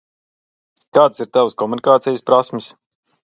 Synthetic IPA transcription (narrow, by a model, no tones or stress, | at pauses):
kaːd̪siɾt̪avəskɔmunikaːt̪sijuspɾasmɪs